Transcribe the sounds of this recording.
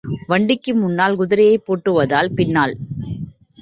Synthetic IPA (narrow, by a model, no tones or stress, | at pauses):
ʋɐɳɖɪkːɯmʊnːaːlɡʊðɪɾɐjɐɪpːoːʈːɯʋɐðaːlpɪnːaːl